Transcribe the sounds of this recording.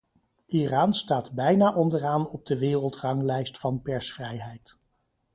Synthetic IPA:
ʔiraːnstaːdbɛjnaːʔɔndəraːnɔb̚dəʋɪːrəlˠtrɑŋlɛjstfɑnpɛɹsfrɛjɦɛjt

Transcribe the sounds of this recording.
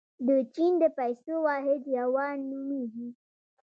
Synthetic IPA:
d̪ot͡ʃind̪epajsowaɦediawanːumiɦi

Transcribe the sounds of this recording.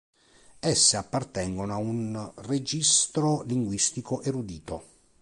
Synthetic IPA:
ɛsːeapːart̪ɛŋɡonoaunred͡ʒist̪ɾoliŋɡwist̪ikoʔeɾud̪iːt̪o

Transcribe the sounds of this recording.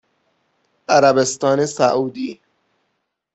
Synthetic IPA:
ʔæɾæbest̪ɒːnesæʔuːd̪iː

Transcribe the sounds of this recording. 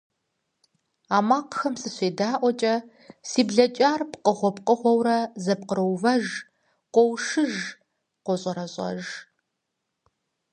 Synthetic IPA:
aːmaːqxɐmsɨɕʷeːdaːʔʷɔt͡ʃʼɐ | siːbɮɐt͡ʃʼaːrpqʼəʁʷɔpqʼəʁʷɔwɾɐzɐp̚qəɾɐwvɐʒ | qʷɔwʂɨʒ | qʷɔɕʼɐɾɐɕʼɐ̰ʒ

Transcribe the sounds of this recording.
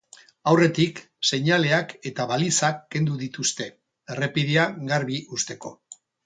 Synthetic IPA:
awre̞t̪ik | se̞ɲale̞ake̞t̪aβalisakːe̞nd̪uðit̪ust̪e̞ | ere̞piðiaɣaɾβiʔust̪e̞ko̞̰

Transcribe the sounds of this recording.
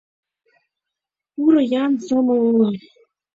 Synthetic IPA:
uɾɤ̆jɑnsɤ̆mɤ̆lɤ̆

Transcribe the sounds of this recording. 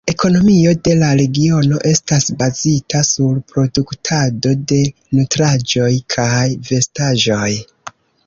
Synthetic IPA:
e̞ko̞no̞mio̞de̞laɾe̞ɡio̞no̞ʔe̞stasbazitasuɾpɾo̞duktʰado̞de̞ | nutɾad͡ʒo̞jkʰajve̞staʒo̞j

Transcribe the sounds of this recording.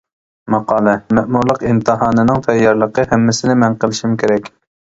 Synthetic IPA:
mɑqɑːlˠɛmɛʔmuɾlˠəqimt̪ʰɨɦɑːnɨnɨŋt̪ʰɛjːɑɾlˠəqəhɛmːɪsɪnɪmɛnqəlˠɪʃimkʲʰeɾɛkʲ

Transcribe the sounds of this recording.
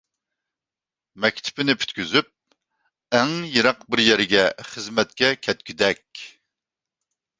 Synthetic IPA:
mɛkʲt̪ʰɪ̥pɪnɪpʰy̥t̪kʲyzyp̚ | ɛŋjɨɾɑqbɪɾjɛɾɪɡʲɛχəzmɛt̪̚kʲɛkʲʰɛt̪kʲyd̪ɛkʲ

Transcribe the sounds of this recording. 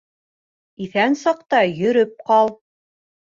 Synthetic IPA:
iθænsɑqt̪ɑjɵ̆ɾɵp̚qɑlˠ

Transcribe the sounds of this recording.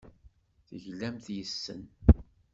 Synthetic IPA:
θəʝlːæmθjəsːə̰n

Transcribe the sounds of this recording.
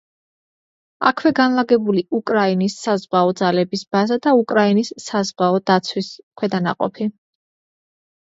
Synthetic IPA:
a̰kʰwɛɡanlaɡɛbuliukʼɾainisːazwaɔd̪zalɛbisbazad̪aukʼɾainisːazʁaɔd̪at̪sʰwiskʰwɛd̪ana̰qʼɔ̰pʰi

